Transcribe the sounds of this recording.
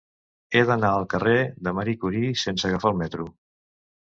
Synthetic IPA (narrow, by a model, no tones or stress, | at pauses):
eðənaəlˠkəreðəməɾikuɾisensəɣəfalˠmɛt̪ɾu